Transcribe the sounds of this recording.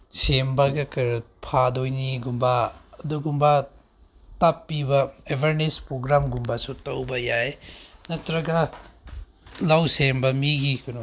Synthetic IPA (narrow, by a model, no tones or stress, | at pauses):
sembɐɡɐkɐɾ | pʰadojniɡumbaːduɡumba | tapːibɐebʱaɾnespɾoɡɾamɡumbasutɐwbɐjajnɐtɾɐɡɐ | lawsembɐmiɡikʰunu